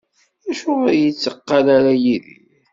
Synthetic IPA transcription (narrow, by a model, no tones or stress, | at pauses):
æʃʊəɾjət͡sːəqːalaɾajiðḭ